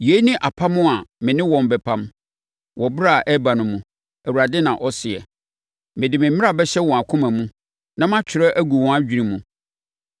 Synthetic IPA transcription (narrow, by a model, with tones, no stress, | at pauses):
je˦nĩ˦ʔa˨pʰa˦mʊ̃˦a˨mɪ̃˨nɪ̃˦wɔ̃˨m˨bɛ˨pʰã˦m | wɔ˨bɾa˦˨ʔɛ˦ba˨nʊ̃˨mũ˨ | æ˨wu˨ɾa˨dɪ˦nã˨ʔɔ˦sɪ˨ɛ̰˨ | mɪ̃˨dɪ˨mɪ̃˨m̩˦mɪ̃˦a˨bɛ˦ɕɛ˦wɔ̃˨a˨kʰʊ̃˦mã˨mũ˦ | nã˦mã˦t͡ɕʰᶣɪ˨ɾɛ˦ʔæ˦ɡu˨wɔ̃˨˦a˦d͡ʑᶣi˨ɾĩ˨mũ˨